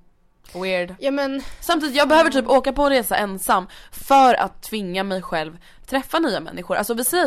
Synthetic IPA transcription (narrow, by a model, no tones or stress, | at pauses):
wɪɖjuːmɛnsamt̪iːd̪t̪jɑɡbɛhøːvəʈʰyːpoːkapɔɾeːsaʔɛnsamːfœːɾa̰t̪ʰːvɪŋːamɛjɧɛlv | t̪ʰɾɛfːanyːamɛ̰nːɪɧʊɾʔa̰lsɔvɪsɛː